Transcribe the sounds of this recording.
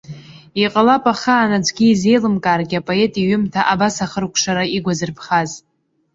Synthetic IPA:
iqʼalapʼaχaːnad͡ʒʷɡʲiːze̞jlɨmkʼaːrɡʲapʼo̞e̞tʼiɥʏmtʰaʔabasaχərkʷʰʂaɾaiɡʷazɨrpʰχaz

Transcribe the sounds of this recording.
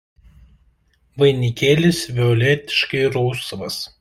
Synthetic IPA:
ʋɐɪnʲikʲeːlʲɪsʲʋʲɛɔlʲɛt̪ʲɪ̥ʃkɐɪɾɔʊsɐʋɐs

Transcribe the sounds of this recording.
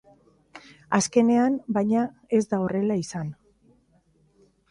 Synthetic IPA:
aske̞ne̞anbajɲa | e̞zd̪ao̞re̞laisan

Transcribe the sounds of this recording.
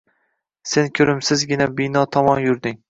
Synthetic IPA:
se̞nkʲʰɵɾɪmsɪzɡʲɪnabɪnɒt̪ʰɒmɒnjʊɾd̪ɪŋ

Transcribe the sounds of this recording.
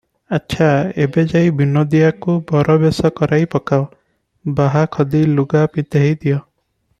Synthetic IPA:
atːʃʰaebed͡ʒajbinɔd̪iakubɔɾɔbesɔkɔɾʔajpɔkaw | baɦakʰɔd̪iluɡapit̪eɦejd̪ijɔ

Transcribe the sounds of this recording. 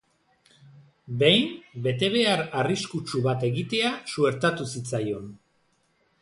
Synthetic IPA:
be̞jmbe̞t̪e̞β̞e̞aɾariskut͡ʃuβat̪e̞ɣit̪e̞asue̞ɾt̪at̪usit͡sajo̞n

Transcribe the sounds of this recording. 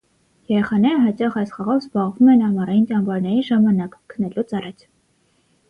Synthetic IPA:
jɛɾɛχɑnɛɾəɦɑt͡ʃɑχɑjsχɑʁɔvzbɑʁvumɛnɑmɑrɑjintɑmbɑɾnɛɾiʒɑmɑnɑkkʰənɛlut͡sɑrɑt͡sʰ

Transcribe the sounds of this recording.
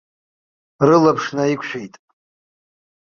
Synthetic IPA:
rɨlapʰʂnaikʷʰʃᶣejtʼ

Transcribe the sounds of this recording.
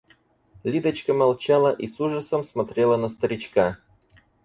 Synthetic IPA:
lʲid̪ət͡ɕkəmɐlˠt͡ɕalˠəʔisuʐəsəmsmɐt̪ɾʲelˠənəst̪əɾʲɪt͡ɕka

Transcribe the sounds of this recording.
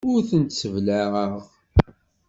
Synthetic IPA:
ʊɾθənt̪səvlæʁəʁ

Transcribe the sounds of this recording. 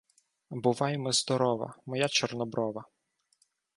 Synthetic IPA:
bʊʋɑjemɔzd̪ɔɾɔʋɐ̰mɔjat͡ʃɔrnɔbɾɔʋɐ

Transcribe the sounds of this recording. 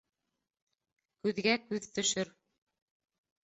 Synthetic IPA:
kʉðɡækʉðt̪ɵ̆ʃɵɾ

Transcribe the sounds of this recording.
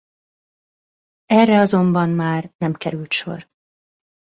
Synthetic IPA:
ɛrːɛɒzo̞mbɒnmaːrnɛmkɛɾylt̪ʃo̞̰r

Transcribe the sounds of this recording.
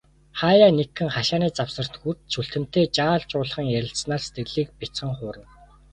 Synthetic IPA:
χaːjaːnekʰːɘ̆ŋχaʃaːniːt͡sawsə̆r̥t̪xur̥t̪ʃuɬt̪ɘ̆m̥t̪eːt͡ɕaːɮt͡ɕʊːɮ̆χə̆ŋjæɾʲɪ̆ɬsnaːse̥t̪ɡɘ̆ɮiːk̚pit͡sχə̆ŋχʊːɾə̆ŋ

